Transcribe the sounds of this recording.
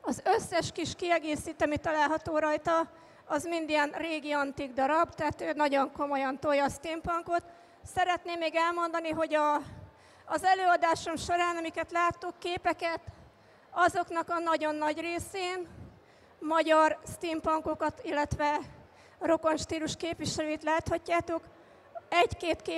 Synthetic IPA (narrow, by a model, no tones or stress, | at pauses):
ɒzøsːɛʃkiʃkiɛɡeːsiːt̪ɒmit̪ːɒlaːlɦɒt̪oːɾɒjt̪ɒ | ɒzmind̪iɛnreːɡiɒnt̪iɡd̪ɒɾɒbt̪aːt̪øːnɒɟo̞ŋko̞mo̞jɒnt̪ojɒst̪iːmpɒŋko̞t̪ | sɛɾɛt̪neːmːeːɡɛlmo̞nd̪ɒniɦo̞ɟɒː | zɛløːɒd̪aːʃo̞mʃo̞ɾaːnɒmikɛt̪laːt̪ːukːeːpɛkɛt̪ | ɒzo̞knɒkɒnɒɟo̞nːɒɟreːseːn | mɒɟɒrst̪iːmpɒŋko̞kɒt̪ilːɛt̪ʋɛ | ro̞ko̞nʃt̪iːluʃkeːpʋiʃɛløːit̪laːt̪hɒcːaːt̪o̞k | ɛɟkeːt̪keː